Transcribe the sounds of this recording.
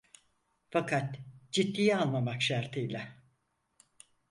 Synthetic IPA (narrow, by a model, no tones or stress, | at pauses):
fakʰat̪d͡ʒit̪ːijanlˠamakʃaɾt̪ʰɯjlʲa